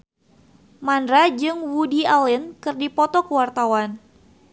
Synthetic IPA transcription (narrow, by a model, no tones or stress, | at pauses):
manɾad͡ʒɨŋwudialɪnkɨrdipɔt̪ɔkəwart̪awan